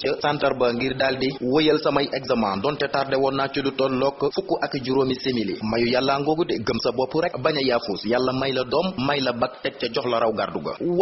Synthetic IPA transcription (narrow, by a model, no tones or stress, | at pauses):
t͡ʃəsantɐrbɐŋɡirdaːldiwojəlsɐmɐjʔɛɡzɐmaːndɔːntɛtardɛwɔnːat͡ʃudutɔnlɔkːəfukːuʔɐkːiɟuɾoːmisemilḭmɐjujalːaŋɡɔɡudɛɡəmsɐbɔpːuɾɛk̚bɐɲɐjaːfuːsjalːɐmɐjlɐdɔmːɐjlɐbɐk̚tɛt̚t͡ʃːɐɟɔxlɐɾɐwɡarduɡɐ̰w